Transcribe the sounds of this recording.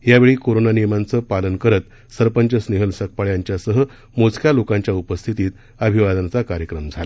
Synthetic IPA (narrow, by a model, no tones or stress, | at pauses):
ɦjaʋeɭiːkoɾonanijmant͡səːpalənkəɾət̪ | səɾpəɲt͡ɕəsneɦəlsək̚paɭjaɲt͡ɕjasəɦə | mot͡skʰjalokãɲt͡ɕjaupəst̪ʰit̪iːt̪ | əbʱiʋad̪ant͡sakaɾjəkɾəmd͡zʱala